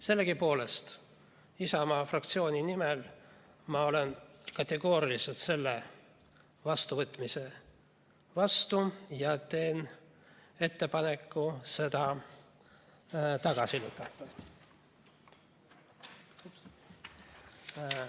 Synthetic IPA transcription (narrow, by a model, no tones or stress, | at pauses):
se̞lːeɡipo̞ːle̞st̪ | isɑmɑːfrɑkt̪sio̞ːnʲinimel | mɑo̞lenkɑt̪ːˑe̞ɡo̞ːɾiliselt̪se̞lːe | vɑst̪uvɤt̪ːˑmise̞ | vɑst̪ujɑt̪e̞ːn | e̞t̪ːe̞pɑne̞kːuse̞d̪̥ɑ | t̪ɑɡ̥ɑsily̰kːˑɑt̪ːɑ